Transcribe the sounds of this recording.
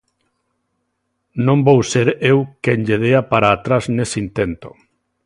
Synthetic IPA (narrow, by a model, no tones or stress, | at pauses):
nõmbowseɾewkɛɲʎeð̞eapaɾaːt̪ɾaznesint̪ent̪o̥̰